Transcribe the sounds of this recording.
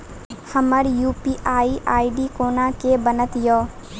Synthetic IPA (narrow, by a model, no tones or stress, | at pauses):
hɐməɾjuːpiːʔaːiʔaːiɖiːkoːnãkebənət̪jɔː